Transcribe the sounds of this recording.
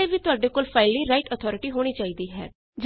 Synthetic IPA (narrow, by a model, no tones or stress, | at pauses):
eːʋiːt̪ʊaːɖeːkoːlpʰaːɪliːɾaːɪʈət̪ʰɔːɾɪʈiːɦoːɽ̃iːt͡ʃaːiːd̪iːɦɛ̰ː | d͡ʒ